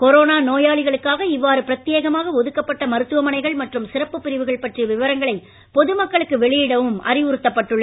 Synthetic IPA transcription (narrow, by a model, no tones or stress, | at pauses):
kɔɾoːnaːnoːjaːɭɪɣɐɭɯkːaːɣɐɪʋːaːɾɯpɪɾɐt̪ːɪjeːɣɐmaːɣɐɔðɯkːɐpːɐʈːɐmɐɾɯt̪ːɯʋɐmɐnɐɪɣɐɭmɐʈrɯmsɪɾɐpːɯpːɪɾɪʋɯɣɐɭpɐʈriʋɪʋɐɾɐŋɡɐɭɐɪ | pɔðɯmɐkːɐɭɯkːɯʋɛɭɪjɪɽɐʋɯmʔɐ̰ɾɪʋʊɾɯt̪ːɐpːɐʈːɯɭːɐ